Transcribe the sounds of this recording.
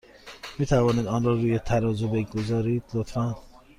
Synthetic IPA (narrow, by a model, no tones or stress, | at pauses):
miːt̪ʰævɒːniːd̪ɒːnɾɒːɾuːjet̪ʰæɾɒːzobeɡozɒːɾiːd̪̥lot̪fæn